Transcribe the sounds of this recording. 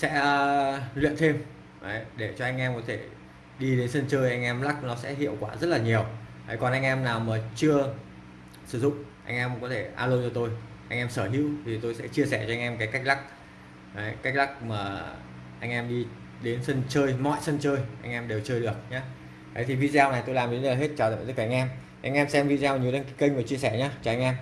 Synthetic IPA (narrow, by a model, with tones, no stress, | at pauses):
sɛ̰˧˥ə˧lwḭ˧˨ənt̪ʰe˧m | ʔə˨˦jɗe˧˩t͡ɕɔ˧ʔa˧jŋ̟ʔɛ˧mkɔ˨˦t̪ʰe˧˩ | ɗi˧ɗe˨˦nsə˧nt͡ɕəː˧jʔa˧jŋ̟ʔɛ˧mla˦˥k̚nɔ˨˦sɛ̰˧˥ɦḭ˧˨əwkwaː˧˩zə˦˥t̚laː˨˩ɲi˨˩əwʔə˨˦jkɔ˨˩nʔa˧jŋ̟ʔɛ˧mnaː˨˩wməː˨˩t͡ɕɨ˧ə | sɨ˧˩zʊ̰˧˨ŋ͡mʔa˧jŋ̟ʔɛ˧mkɔ˨˦t̪ʰe˧˩ʔa̰ː˧ləː˧t͡ɕɔ˧t̪o˧j | ʔa˧jŋ̟ʔɛ˧msəː˧˩ɦḭ˧˥əwt̪ʰi˨˩t̪o˧jsɛ̰˧˥t͡ɕi˧əsɛ˧˩t͡ɕɔ˧ʔa˧ŋ̟ʔɛ˧mkaː˨˦jka˦˥k̚la˦˥k̚ː | jka˦˥k̚la˦˥k̚maː˨˩ | ʔa˧jŋ̟ʔɛ˧mɗi˧ | ɗe˨˦nsə˧nt͡ɕəː˧jmɔ̰˧˨jsə˧nt͡ɕəː˧jʔa˧jŋ̟ʔɛ˧mɗe˨˩wt͡ɕəː˧jɗɨ˨˩ək̚ɲaː˨˦ | ə˨˦jt̪ʰi˨˩vi˧zaː˧wna˨˩jt̪o˧jlaː˨˩mɗndɦe˦˥t̚t͡ɕaː˨˩ə̰˨t̪kaː˧˨˧ŋ̟ʔɛ˧m | ʔa˧ŋ̟ʔɛ˧msɛ˧mvḭ˧˨zaː˧wɲ˨˩˨ə˧nkaː˨˦kə˧ŋ̟vəː˨˩t͡ɕi˧əsɛ˧˩ɲaː˨˦t͡ɕɔ˧ʔa˧jŋ̟ʔɛ˧m